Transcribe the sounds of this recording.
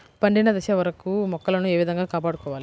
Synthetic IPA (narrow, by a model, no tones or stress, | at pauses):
pɐɳɖinɐd̪ɐʃɐʋɐɾɐkumɔkːɐlɐnueːʋid̪ʱɐŋɡaːkaːpaːɽukɔːʋaːli